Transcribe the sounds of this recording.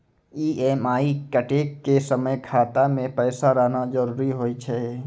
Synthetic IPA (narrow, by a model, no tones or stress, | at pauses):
iːʔɛːmaːikəʈeːkːesəməjkʰaːt̪amẽpɛːsaɾɐɦnad͡ʒəɾuːɾiɦoːit͡ʃʰɛː